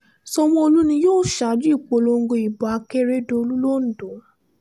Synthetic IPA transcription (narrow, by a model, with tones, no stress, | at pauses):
sɔ˧w̃ɔ̃˧o˧lu˦nĩ˧joː˦˨ʃa˨˦d͡ʒu˦i˦˨k͡po˨˧˦lo˧ŋ̩˦ɡo˧i˨bɔ˨a˧ke˦ɾe˦do˧o˧lu˦lo˦n̩˨dõ˨˦˨